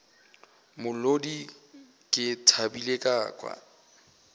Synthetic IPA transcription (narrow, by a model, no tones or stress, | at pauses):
mʊlodi | kʼɪtʰabilekʼaːkʼwa̰